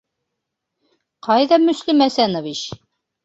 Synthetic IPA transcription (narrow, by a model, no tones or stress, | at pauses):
qʰɑjðɑmɵ̆slimæsænɑβiɕ